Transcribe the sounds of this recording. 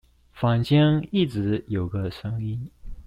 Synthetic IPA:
fɑ˨˩ŋt͡ɕi˥ŋi˥˩ʈ͡ʂɻ̩˧˥˦jo˨˩ʊɡə˧ʂɤ˥ŋi˥n

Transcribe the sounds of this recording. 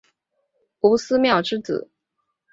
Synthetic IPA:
u˧˥sɹ̩˥mjɑ˥˩ʊʈ͡ʂɻ̩˥t͡sɹ̩̰˨˩˦

